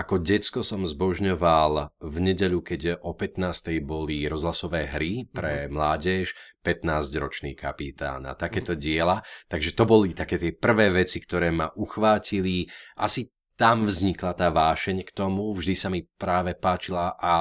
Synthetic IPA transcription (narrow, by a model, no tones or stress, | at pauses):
akɔɟɛt͡skɔsɔmzbɔʒɲɔʋalvɲɛɟɛʎukɛɟʔɔpɛt̪naːst̪ɛjbɔliɾɔzɦlasɔʋɛːɦɾipɾɛmlaːɟɛʃpɛt̪naːzɟɾɔt͡ʃnḭkapit̪a̰ːna̰t̪akɛːt̪ɔɟɪɛlat̪aɡʒɛt̪ɔbɔlit̪akɛːt̪ɪɛpr̩ʋɛːʋɛt͡sikt̪ɔɾɛːmaʔuxʋaːciliʔasi | t̪amvzɲiklat̪aːʋaːʃɛɲkt̪ɔmuvʒd̪isamipɾaːʋɛpaːt͡ʃilaʔa